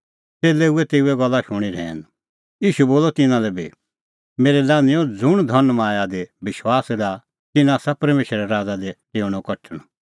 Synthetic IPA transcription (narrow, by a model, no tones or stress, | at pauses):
seːleːuɛt̪eːuɛɡɔlːaʃʊɽ̃iɾɛ̰ːn | iːʃuboːlɔt̪ɪnãlɛbḭ | meːɾɛlaːnɪjɔ̃d͡zʊɽ̃d̪ʱɐnmãːjad̪ebɪʃwaːsɾa | t̪ɪnaːsapɐɾmeːʃɾɛɾaːd͡zad̪ɛteːɽ̃ɔkɐʈʰəɽ̃ɔ̃